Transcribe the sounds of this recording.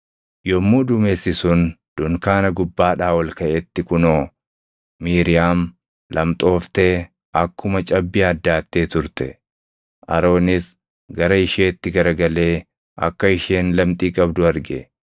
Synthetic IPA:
jɔmːuːd̪ʊme̞ːsːɪsʊnd̪̥ʊŋkaːnɐɡʊbːaːᶑaːwɐlkɐʔet̪ːɪkʊnoː | miːɾɪjaːm | lʔɐmt̪ʼo̞ːft̪eː | ʔɐkːʊmɐt͡ʃʼɐbːɪɐd̪ːaːt̪ːeːt̪ʊɾt̪ɛ | ʔɐ̰ɾo̞ːnɪs | ɡɐɾɐɪʃeːt̪ːɪɡɐɾɐɡɐle̞ː | ʔɐ̰kːɐɪʃe̞ːnlɐmt̪ʼiːkʼɐbd̪ʊɐɾɡɛ

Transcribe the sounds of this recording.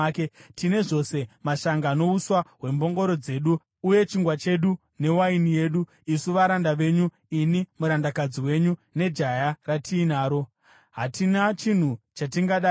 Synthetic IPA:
ketine̞ʐo̞se̞maʃaŋɡaːno̞uswaɦwe̞mbo̞ŋɡo̞ɾo̞d͡ze̞ːɗuː | je̞t͡ʃiŋɡwat͡ʃe̞ɗu | ne̞wainije̞ːɗu | isuʋaɾandaʋe̞ɲu | inimuɾandakad͡ziwe̞ɲune̞d͡ʒajaratʰiːnaːɾo̞ | ɦatinat͡ʃin̤ut͡ʃatiŋɡaɗa

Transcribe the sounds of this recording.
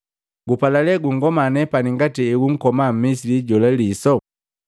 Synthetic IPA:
ɡupalalɛɡuŋ̩ɡɔmanɛpaniŋɡatiɛɡuŋ̩kɔmam̩mis̬iliɟɔlalisɔ

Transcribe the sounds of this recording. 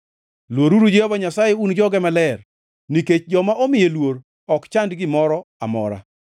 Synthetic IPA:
lwoɾuɾud͡ʒehobaɲasajeund͡ʒɔɡɛmalɛr | niket͡ʃd͡ʒɔmaʔomɪjelwoɾ | ɔkt͡ʃandɡɪmɔɾɔamɔ̰ɾa̰

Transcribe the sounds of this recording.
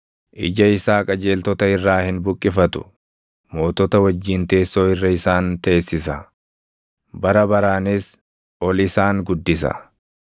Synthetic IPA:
ʔɪ̰d͡ʒɐɪsaːkʼɐd͡ʒe̞ːlt̪ɔt̪ɐɪrːaːhɪnbʊkʼːɪfɐt̪ʊ̥̰ | mo̞ːt̪ɔt̪ɐwɐd͡ʒːiːnt̪e̞ːsːo̞ːɪrːɐɪsaːnt̪ɐeːsːɪsɐ | bɐɾɐbɐɾaːnɪs | ʔɔlɪsaːŋɡʊd̪ːɪs̬ɐ̰

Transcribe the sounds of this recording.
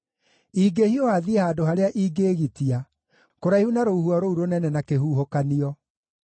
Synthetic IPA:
iːɡehiɔhaðiehaːdoɦaɾeaʔiːɡeːɣitia | koɾaihunaɾouhuɔɾouɾonɛnɛnakeɦuːɦokaniɔ

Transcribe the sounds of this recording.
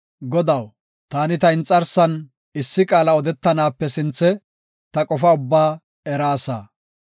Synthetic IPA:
ɡɔd̪ɐw | t̪aːnɪt̪ɐɪnt͡sʼːɐɾsɐn | ɪsːɪkʼaːlɐɔd̪ɛt̪ːɐnaːpːɛsɪnt͡sːɛ | t̪ɐkʼɔfɐʊbːaː | ɛɾaːsa̰ː

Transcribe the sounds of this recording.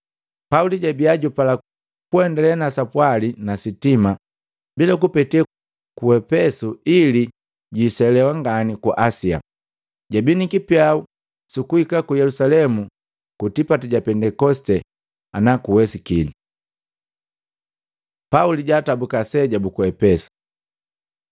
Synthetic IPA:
pauliɟabiaɟupala | kuɛndɛlɛnasapwalinasitima | bilakupɛtiɛ | kuɛpɛsuili | ɟisɛlɛwaŋɡanikuʔasia̰ | ɟabinikipjau | sukuhikakujɛlusalɛmu | kutipatɛɟapɛndɛkɔstɛ | anakuwɛsikini | pauliɟaːtabukasɛɟabukuɛpɛsu̥

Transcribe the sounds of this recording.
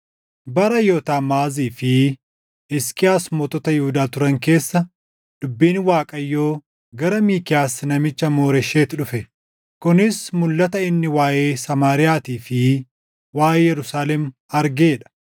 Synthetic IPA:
bɐɾɐjoːt̪aːmaːziːfɪ | ɛskʼɪjaːsmɔt̪ɔt̪ɐjʊhʊd̪aːt̪ʊɾɐŋke̞ːsːɐ | ᶑ̪̥ʊbːiːnwaːkʼɐjːoː | ɡɐɾɐmiːkɪjaːsnɐmɪt͡ʃːɐmo̞ːɾɛʃeːt̪ɪᶑʊfɛ | kʊnɪsmʊlːɐt̪ɐɪnːɪwaːʔeːsɐmaːɾɪjaːt̪iːfɪ | waːjjɛɾʊsaːlɛm | ɐɾɡeːᶑɐ̥

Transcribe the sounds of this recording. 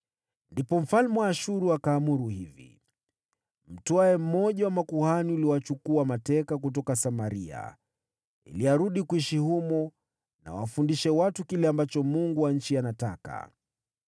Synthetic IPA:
ndipɔm̩falmɛwaːʃuɾuakaːmuɾuhivḭ | m̩tɔajɛm̩mɔʄawamakuhaniuliwat͡ʃukuamatɛkak̬utɔkasamaɾia̰ | ḭliaɾuɗikuiʃihumɔ | na̰wa̰fundiʃɛwatukilɛambat͡ʃɔmuŋɡuwaɲ̩t͡ʃianata̰ka̰

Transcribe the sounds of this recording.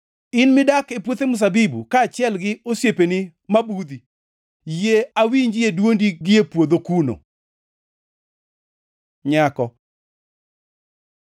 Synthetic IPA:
ɪnmɪdakepwot̪emʊs̬abibukaːt͡ʃjɛlɡɪosjepenɪ | mabud̪i | jeawiɲd͡ʒɪedwondiɡɪepwod̪okuno̰ | ɲakɔ

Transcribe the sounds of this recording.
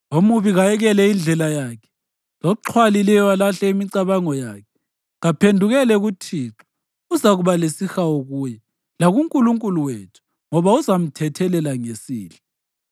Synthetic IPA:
omuβiɣajɛɣɛlɛind͡ɮʱɛlajaːkʰɛ̥ | lɔǁʰwalilɛjwalaɬɛimiǀaβaŋɔjaːkʰɛ̥ | ɣapʰendʱuɣɛlɛɣutʰiːǁu̥ | uzaɣuβalesixaoɣuːjɛ | laɣuŋkʼuluŋkʼuluweːtʰu̥ | ŋɔβauzam̩tʰɛtʰɛlɛlaŋesiːɬa

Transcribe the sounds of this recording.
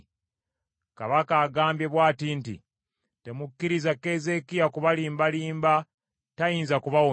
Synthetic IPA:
kaβakaːɡaːmbje̞βwaːtintḭ | te̞mukːiɾizakeze̞kijakuβaliːmbaliːmba | tajiːnzakuβawo

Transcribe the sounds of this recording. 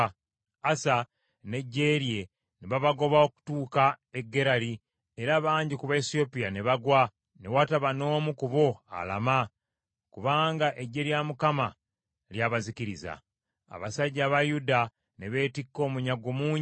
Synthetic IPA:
asa | ne̞ɟːe̞ɾje̞ | neβaβaɡo̞βao̞ku̥tuːkae̞ɡːe̞ɾali | eɾaβaːɲɟikuβaesio̞pijane̞βaɡwa | newataβano̞ːmukuβo̞a̰la̰ma | kuβaːŋɡaʔe̞ɟːe̞ɾjamukama | ljaβaziciɾiza̰ː | βasaɟːaβajuda | ne̞βe̞ːtikːo̞ːmuɲaɡomuːɲ

